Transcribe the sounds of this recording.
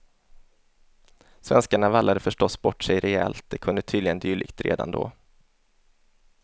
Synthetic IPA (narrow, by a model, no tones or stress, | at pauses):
svɛnskaɳavalːad̪əfœʂʈɔsːbɔʈʂɛjɾɛɛlt̪̚d̪ɛkʰɵnd̪ət̪ʰyːd̪lɪɡənd̪yːɭɪ̰ɡt̪ɾḛːd̪a̰nd̪o̰ː